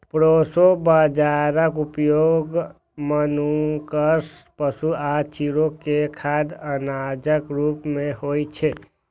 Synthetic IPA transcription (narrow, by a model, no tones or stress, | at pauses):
pɾosobəd͡ʒaɾəkupjoɡ | mənukəs | pəsuat͡ʃʰiɾokekʰad̪ənad͡ʒəkɾupmeɦojt͡ʃʰe